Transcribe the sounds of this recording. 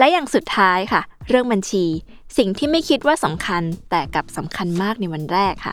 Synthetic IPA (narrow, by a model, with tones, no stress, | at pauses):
lɛ˦˥jaː˨˩ŋsu˨˩t̪ʰːaː˦˥jkʰa˥˩ɾɯ˥˩əŋba˧nt͡ɕʰiː˧ | si˨˩ŋt̪ʰiː˥˩ma˥˩jkʰi˦˥t̪̚waː˥˩sa˩˦mkʰa˧nt̪ɛː˨˩ka˨˩p̚sa˩˦mkʰa˧nmaː˥˩k̚na˧jwa˧nɾɛː˥˩kʰːa̰˥˩